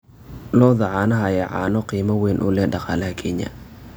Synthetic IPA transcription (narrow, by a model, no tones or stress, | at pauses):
lɔːðɐʕɑːnɐɦɐjɛʕɑ̰ːnɔqiːmɐwɛːnʔʊ̰lɛhɖɑqɑːlɐɦɐkʰɛɲɐ̰